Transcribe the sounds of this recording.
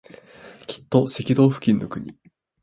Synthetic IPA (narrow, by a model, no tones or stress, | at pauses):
kʲi̥t̪ːo̞se̞kʲid̪o̞ːɸɯ̟̥kʲĩnːo̞kɯ̟ɲ̟ḭ